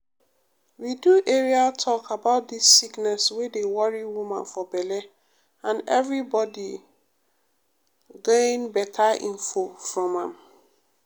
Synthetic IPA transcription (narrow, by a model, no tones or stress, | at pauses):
widuʔeɹiatʰɔkʰabaʊt̚disːiknɛswedewɔɹiwumãnfɔbɛlɛ | ãnɛvɹibɔdi | ɡẽnbɛtʰaḭ̃nfofɹɔ̃mãm